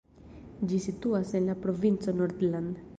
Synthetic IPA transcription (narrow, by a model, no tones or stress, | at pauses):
d͡ʒisit̪uasenlapɾovint͡sonɔɾd̪land̪